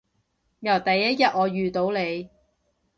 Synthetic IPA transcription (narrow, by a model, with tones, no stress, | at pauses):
jɐ˨˩wt̪ɐ˨jːɐ˥t̚jɐ˨t̚ŋɔː˨˧jyː˨t̪o˨˧wle˨˧j